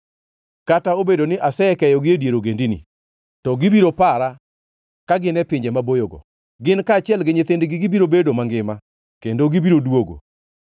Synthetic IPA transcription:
kataobedonɪʔasɛɛkɛjɔɡɪedjeɾoɡendinḭ | tɔɡɪbiɾopaɾa | kaɡɪnɛpɪɲd͡ʒemabojoɡɔ̰ | ɡɪnkaːt͡ʃɪɛlɡɪɲɪt̪endɪɡɪɡɪbiɾobedomaŋɡɪma | kendoɡibiɾodwoɡo̰

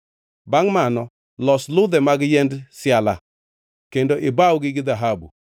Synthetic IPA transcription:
baŋmanɔ | lɔslʊd̪ɛmaɡɪjɛndsjala̰ | kendoʔɪbawɡɪɡɪðaɦabṵ

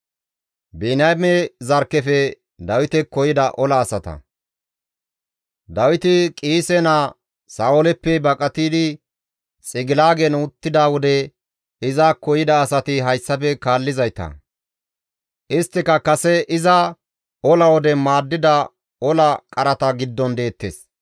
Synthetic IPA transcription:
bɛnɐmɛzɐɾkːɛfɛ | d̪ɐwɪt̪ɛkɔjɪd̪ɐʔɔlɐːsɐt̪ɐ̰ | d̪ɐwɪt̪ɪkʼiːsɛnɐ | saːɔlɛpːɛbɐkʼɐt̪iːd̪ɪ | t͡sʼɪɡɪlaːɡɛnʊt̪ːɪd̪awɔd̪ɛ | ɪzakɔjɪd̪ɐːsɐt̪ɪɦɐjsːɐfɛkaːlːɪzɐjt̪ɐ̰ | ʔɪst̪ːɪkɐkɐsɛʔɪzɐ | ɔlɐwɔd̪ɛmaːd̪ːɪd̪ɐ | ɔlɐkʼɐɾɐt̪ɐɡɪd̪ːɔnd̪e̞ːt̪ːeːs

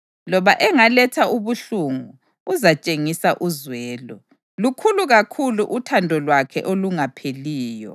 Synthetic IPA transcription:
lɔβaʔɛŋalɛtʰauβuɬuŋuː | zat͡ʃʼeŋisaʔuzwɛːlɔ | lukʰuluɣakʰuluʔutʰandʱɔlwakʰɛ̰ʔoluŋapʰeliːjɔ̰

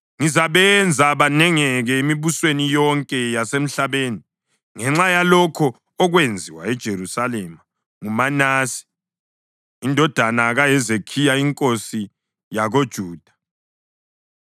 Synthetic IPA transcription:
ŋizaβɛnd͡zʱaβanɛŋɛɣɛimiβuswenijɔŋkʼɛjasem̩ɬaβeːni | ŋɛŋ͡ǁajalɔkʰɔ | ɔɣwend͡zʱiwa̰ɛd̥ʒ̥ʱerusalema | ŋumanaːsi̥ | indʱɔd̥ʱanaɣajɛzekʰijaiŋkʼosi | jaɣod̥ʒ̥ʱuːd̥ʱḁ

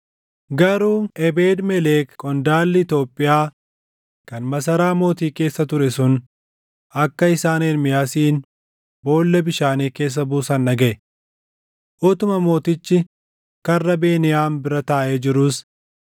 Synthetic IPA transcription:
ɡɐɾuːɛbeːd̪mɛleːkkʼːɔnd̪aːlːɪɪt̪o̞ːpʼːɪjaː | kɐnmɐs̬ɐɾaːmo̞ːt̪iːke̞ːsːɐt̪ʊɾɛsʊn | ɐkːɐɪsaːneːnmɪjaːsiːn | bo̞ːlːɛbɪʃaːniːke̞ːs̬ːɐbuːsɐnːɐɡɛʔɛ | ʔɔt̪ʊmɐmo̞ːt̪ɪt͡ʃːɪ | kɐrːɐbe̞ːnɪjaːmbɪɾɐt̪aːʔeːd͡ʒɪɾʊs

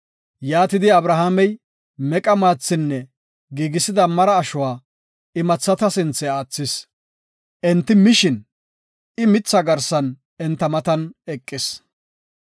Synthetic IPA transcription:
jaːt̪ɪd̪ɪɐbɾɐɦaːmɛj | mɛkʼɐmaːt͡sːɪnːɛ | ɡiːɡɪsɪd̪ɐmɐɾɐːʃʊwaː | ɪmɐt͡sːɐt̪ɐsɪnt͡sːɛaːt͡sːɪs | ʔɛnt̪ːɪmɪʃɪn | ɪmɪt͡sːɐɡɐɾsɐn | ɛnt̪ːɐmɐt̪ɐnɛkʼːɪs

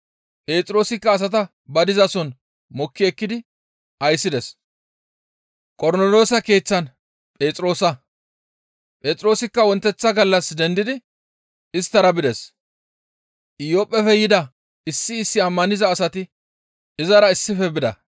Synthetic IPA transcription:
pʼe̞ːt͡sʼɾo̞ːsɪkːɐːs̬ɐt̪ɐ | bɐd̪ɪzɐsɔn | mɔkːɪɛkːɪd̪ɪ | ʔɐjsːɪd̪ɛs | kʼɔɾnolo̞ːsɐke̞ːt͡sːɐn | pʼe̞ːt͡sʼɾo̞ːsɐ | pʼe̞ːt͡sʼɾo̞ːsɪkːɐwɔnt̪ːɛt͡sːɐɡɐlːɐsd̪ɛnd̪ɪd̪ɪ | ɪst̪ːɐɾɐbɪd̪ɛs | ʔɪjopʼːɛfɛjɪd̪ɐ | ɪsːɪːsːɪɐmːɐnɪzɐːsɐt̪ɪ | ɪzɐɾɐɪsːɪfɛbɪd̪ɐ̰

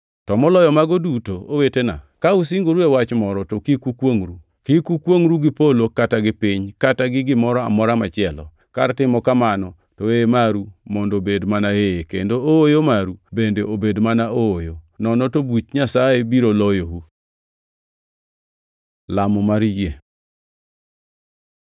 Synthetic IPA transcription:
tɔmɔlɔjɔmaɡɔdutoowetena̰kaus̬iŋɡoɾuewat͡ʃmɔɾɔtokikukwoŋɾu | kikukwoŋɾuɡɪpolokataɡɪpiɲkataɡɪɡɪmɔɾɔa̰mɔɾamat͡ʃɪɛlɔ̰ | ka̰ɾtɪmɔkamanɔ | toemaɾumɔndobedmanaeekendooojomaɾubendeobedmanaojonɔnɔtobut͡ʃɲasajebiɾolɔjowu | lamɔmaɾd͡ʒe

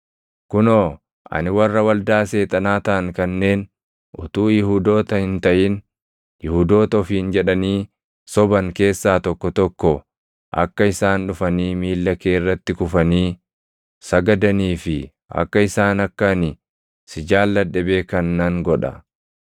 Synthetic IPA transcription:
kʊnoː | ʔɐ̰nɪwɐrːɐwɐld̪aːse̞ːt̪ʼɐnaːt̪ɐɐŋkɐnːe̞ːn | ʔʊt̪uːjɪhud̪o̞ːt̪ɐhɪnt̪ɐʔɪn | jɪhuːd̪o̞ːt̪ɐɔfiːnd͡ʒɛᶑɐniː | sɔbɐŋke̞ːsːaːt̪ɔkːɔt̪ɔkːɔ | ʔɐ̰kːɐɪsaːnᶑʊfɐniːmiːlːɐkeːɪrːɐt̪ːɪkʊfɐniː | sɐɡɐd̪ɐniːfɪ | ɐ̰kːɐɪsaːnɐkːɐnɪ | sɪd͡ʒaːlːɐᶑɛbeːkɐnːɐŋɡɔᶑɐ̰

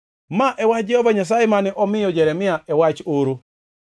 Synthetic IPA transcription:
maʔɛwat͡ʃd͡ʒɛhɔvaɲas̬ajɪmanɪʔɔmɪjɔd͡ʒɛɾɛmɪaɛwat͡ʃoɾo

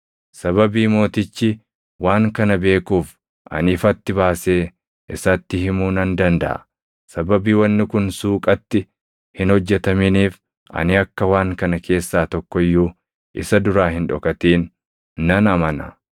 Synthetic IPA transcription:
sɐβɐbiːmo̞ːt̪ɪt͡ʃːɪ | waːŋkɐnɐbe̞ːkuːf | ʔɐ̰nɪfɐt̪ːɪbaːse̞ː | ʔɪsɐt̪ːɪhɪmuːnɐnd̪ɐnd̪ɐ̰ʔɐ̰ | sɐbɐbiːwɐnːɪkʊnsuːkʼɐt̪ːɪ | hɪnhɔd͡ʒːɛt̪ɐmɪniːf | ʔɐ̰nɪɐkːɐwaːŋkɐnɐkʰe̞ːsːaːt̪ɔkːɔɪjːuː | ʔɪsɐd̪ʊɾaːhɪnᶑɔkʼɐt̪iːnː | ɐnɐmɐnɐ

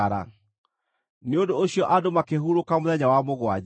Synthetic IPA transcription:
aɾa̰ | neondooɕijɔʔadomakeɦuɾokamoðɛɲawamoɣwa

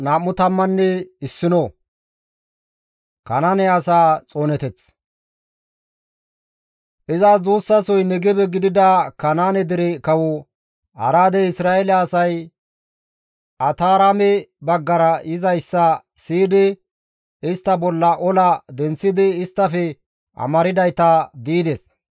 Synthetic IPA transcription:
naːmːʊt̪ɐmːɐnːɛɪsːɪno | kɐnanɛɐsaːt͡sʼoːnɛt̪ɛt͡s | ʔɪzazuːsːɐsɔjnɛɡɛbɛɡɪd̪ɪd̪ɐkɐnaːnɛd̪ɪɾɛkɐwʊ | ɐ̰ɾaːd̪ɛɪsɾaːɛlɛːsɐj | ɐt̪aːɾamɛbɐɡːɐɾɐʔɪzɐjsːɐ | siːd̪ɪ | ɪst̪ːɐbɔlːɐʔɔlɐd̪ɛnsːɪd̪ɪɪst̪ːɐfɛ | ʔɐ̰mɐɾɪd̪ɐjt̪ɐd̪iːd̪ɛs

